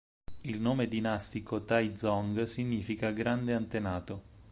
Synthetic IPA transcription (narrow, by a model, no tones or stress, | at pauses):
ilnoːmed̪inast̪ikot̪ajd̪zɔŋɡsiɲːiːfikaɡɾand̪eant̪enaːt̪o